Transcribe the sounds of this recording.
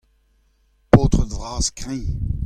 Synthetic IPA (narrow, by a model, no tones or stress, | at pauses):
poːt̪χəd̪vʁaːzkʁɛ̃